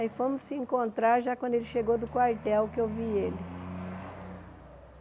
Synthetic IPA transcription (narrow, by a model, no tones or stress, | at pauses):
ifõmʊsːɪẽŋkõnt̪ɾaɾʒakwɐ̃d̪ʊelɪʃeɡowd̪ʊkwaɾt̪ɛwkɪewvielɪ